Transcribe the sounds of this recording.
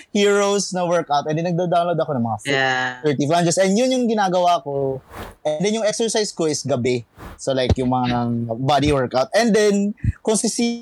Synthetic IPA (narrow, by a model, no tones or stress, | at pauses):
hiːɹowsnɐwɛɹkawt̪ʔɛnd̪ɛnɐɡ̚d̪aːd̪awnlod̪ɐko̞nɐŋmɐŋaftɛɹt̪ifland͡ʒɛsɛnd̪jʊnjʊŋɡɪnaːɡɐwako̞ʔɛnd̪ɛnjʊŋʔɛksɛɹsajsko̞ʔɪsɡɐbɛsolajkjʊŋmɐŋabad̪iwɛɹkawt̪̚ʔɛ̃nd̪ɛnkʊŋsɪsi